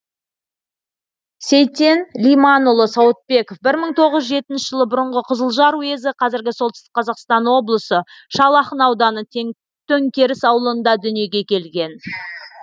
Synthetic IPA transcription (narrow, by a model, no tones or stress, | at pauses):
sejt̪e̞nlʲijmɑnolˠəsɑwət̪̚be̞kofbɪɾməɴt̪ʰo̞ʁəzʒe̞t̪ɪnʃɪʒ̥əlˠəbʊɾəɴʁəqʰəzəlˠʒɑɾue̞zɪqʰɑzɪɾɡʲɪso̞lˠt̪əst̪ə̥qʰɑzɑqst̪ɑnwo̞blˠəsəʃɑlˠɑχənɑwd̪ɑnət̪ʰe̞ŋʲ | t̪ʰːɵŋkʲe̞ɾɪsɑwlˠənd̪ɑd̪ʏnije̞ɡʲe̞kʲʰe̞lɡʲe̞n